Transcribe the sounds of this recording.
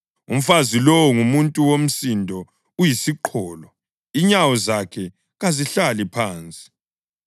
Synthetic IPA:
um̩fazilɔwɔŋumuntʼuwom̩sindʱɔ | ujisiǃʰɔːlɔ | iɲawɔzakʰɛ | ɣaziɬalipʰaːnt͡sʼi̥

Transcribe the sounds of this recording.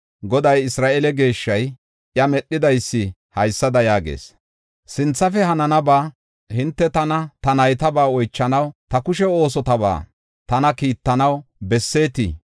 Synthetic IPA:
ɡɔd̪ɐjɪsɾaːʔɛlɛɡe̞ːʃːɐj | ʔjɐmɛɗːɪd̪ɐjsːɪ | hɐjsːɐd̪ɐjaːɡḛːs | sɪnt͡sːɐfɛɦɐnɐnɐbaː | hɪnt̪ːɛt̪ɐnɐt̪ɐnɐjt̪ɐbaːɔjt͡ʃːɐnɐwt̪ɐkʊʃɛo̞ːs̬ɔt̪ɐba̰ː | t̪ɐnɐkiːt̪ːɐnɐwbɛsːe̞ːt̪ḭ

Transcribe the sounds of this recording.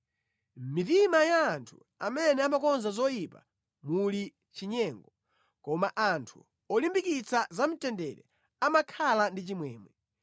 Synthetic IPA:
m̩mitimajaːntʰu̥ | amɛnɛamakɔnzazɔjipa̰ | muli | t͡ʃiɲɛŋɡɔ | kɔmaʔantʰu̥ | ɔlimbikit͡sʰazam̩tɛndɛɾɛ̰ | amakʰalandit͡ʃimwɛːmwɛ

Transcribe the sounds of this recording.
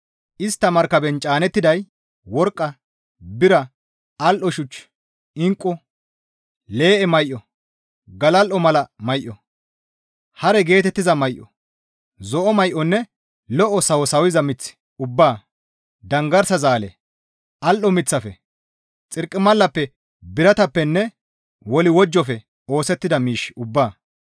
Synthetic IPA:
ʔɪst̪ːɐmɐɾkːɐbɛnt͡ʃʼaːnɛt̪ːɪd̪ɐj | wɔɾkʼːɐ | bɪɾɐ | ʔɐlʔɔʃʊt͡ʃː | ɪŋkʼːɔ | le̞ːʔɛmɐjʔːɔ | ɡɐlɐlʔɔmɐlɐmɐjʔɔ | hɐɾɛɡe̞ːt̪ɛt̪ːɪzɐmɐjʔɔ̰ | zɔʔɔmɐjʔɔnːɛ | lɔʔɔsɐwɔsɐwɪzɐmɪt͡sːɪ̥ | ʊbːaː | d̪ɐŋɡɐɾsɐzaːlɛ | ʔɐlʔɔmɪt͡sːɐfɛ | t͡sʼɪɾkʼːɪmɐlːɐpːɛ | bɪɾɐt̪ɐpːɛnːɛ | wɔlɪwɔd͡ʒːɔfɛ | o̞ːsɛt̪ːɪd̪ɐmiːʃʊbːaː

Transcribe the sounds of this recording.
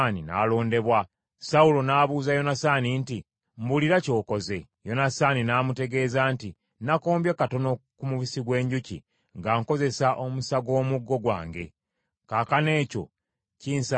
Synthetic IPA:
nina̰ːlo̞ːnde̞βwa | saulo̞naːβuːzajo̞nasaninti | mbuliɾaco̞ːko̞ze̞ | jo̞nasaːninaːmute̞ɡe̞ːzanti | nako̞ːmbjekato̞no̞kumuβisiɡwe̞ːɲɟucḭ | ŋɡaŋko̞ze̞saʔomusaɡo̞ːmuɡːo̞ɡwa̰ːŋɡe̞̰ | kakane̞ːco̞̰ | ciːnsa

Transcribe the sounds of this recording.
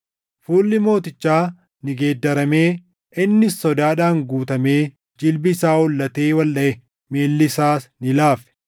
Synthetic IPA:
fuːlːɪmo̞ːt̪ɪt͡ʃːaː | nɪɡe̞ːd̪ːɐɾɐme̞ː | ʔɪnːɪsːɔd̪aːᶑaːŋɡuːt̪ɐme̞ː | d͡ʒɪlbɪːsaːʊlːɐt̪e̞ːwɐlɗɐʔɛ | meːlːɪsaːsnɪlaːfɛ̥

